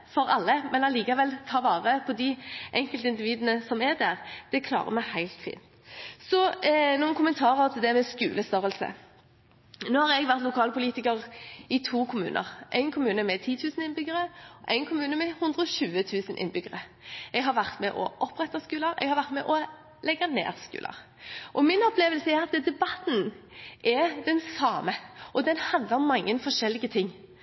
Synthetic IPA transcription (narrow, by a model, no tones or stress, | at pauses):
fɔɾɑlːəmɛnɑliːkɑʋɛlt̪ʰɑːʋɑːʁəpʰɔd̪ɪʔɛŋkəlt̪əɪnd̪ɪʋiːd̪ənəsɔmæʁd̪æʁd̪̥ɛkʰlɑ̰ːʁə̰mæhæɪlt̪fḭːnt̪ | sɔnuːnkʰʊmənt̪ʰɑːʁəɔt̪ʰɪld̪ɛmɛskʉ̰ːləst̪œʁəlsə̰ | noːhɑʁɛɡʋæʁt̪lʊkʰɑːlpʰʊliːt̪ɪkəʁɪt̪ʰuːkʰʊmʉ̰ːnʔə̰ʁʔæ̰ɪnkʰʊmʉːnəmɛt̪ʰiːt̪ʰʉːsənɪnbʏɡəʁəʔæɪnkʰʊmʉːnəmɛhʉnd̪ʁəɔʃʉːət̪ʰʉːsənʔɪ̰nbʏɡəʁə | ɛɡɦɑʁʋæʁt̪mɛʔɔ̰ʔɔpːʁɛt̪ːɑskʉːləɾɛ̰ɡhɑʁʋæʁt̪mɛʔɔ | lɛɡɑnḛːʁskʉ̰ːlə̰ʁ | ʔɔmɪnɔpʰleːʋəlsəɛʁɑt̪d̪ɛbɑt̪n̩ | ʔɛd̪ɛnsɑːməʔɔd̪ɛnhɑnd̪ləʁɔmːɑŋːənfɔʁʂɛlːɪɡət̪ʰɪŋː